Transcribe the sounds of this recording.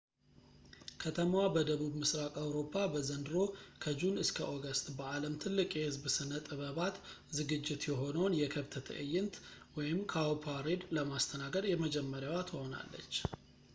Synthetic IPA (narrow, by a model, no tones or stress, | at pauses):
kʰət̪ʰəmwabəd̪əβubmɨsɾakʼawɾo̞pʰːabəzənd̪ɨɾo̞kʰəd͡ʒunɨskʰəʔoɡəst̪ʼbəʔaləmt̪ʰɨlːɨkʼjɛhɨzbsɨnət̪ʼɨβəβat̪ | zɨɡɨd͡ʒːɪt̪jɛɦo̞nəwnjɛkʰəβt̪ʰət̪ʰə̰ʔɨjːɪnt̪wɔjɪmkʰawpʰaɾed̪ləmast̪ʰənaɡəd̪jɛməd͡ʒɛmːəɾjawat̪ʰəho̞na̰lːə̰t͡ʃː